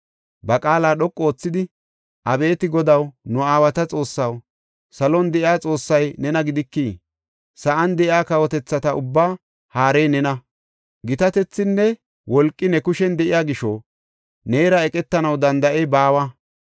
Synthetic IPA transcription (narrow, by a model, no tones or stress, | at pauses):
bɐkʼaːlaːɗɔkʼːo̞ːt͡sːɪd̪ɪ | ʔɐbe̞ːt̪ɪɡɔd̪ɐwnʊaːwɐt̪ɐt͡sʼo̞ːsːɐw | sɐlɔnd̪ɛʔɪaːt͡sʼo̞ːsːɐjnɛnɐɡɪd̪ɪkːiː | sɐʔɐnd̪ɛʔjaːkɐwɔt̪ɛt͡sːɐt̪ɐʊbːaː | haːɾɛjnɛnɐ | ɡɪt̪ɐt̪ɛt͡sːɪnːɛ | wɔlkʼːɪnɛkʊʃɛnd̪ɛʔɪjaːɡɪʃɔ | ne̞ːɾɐɛkʼɛt̪ːɐnɐwd̪ɐnd̪ɐʔebaːwɐ